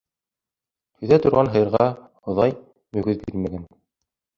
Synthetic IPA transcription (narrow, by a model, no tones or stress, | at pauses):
hɵ̆jðæt̪ŏɾʁɑnɦɤ̆jɤ̆ɾʁɑ | ŏðɑj | mɵ̆ɡɵðbiɾmæɡæn